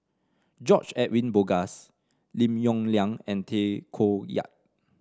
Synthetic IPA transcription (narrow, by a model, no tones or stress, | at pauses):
d͡ʒɔt͡ʃɛʔwĩnboɡas | lĩmjɔ̃ŋljãŋɛ̃ntʰekʰoja̰t̚